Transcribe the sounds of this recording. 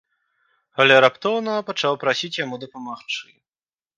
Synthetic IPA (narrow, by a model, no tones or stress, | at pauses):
ɐlʲaɾapt̪ɔwnɐɐpat͡ʂawpɾasʲit͡sʲjamud̪ɐpamaxt͡ʂɨji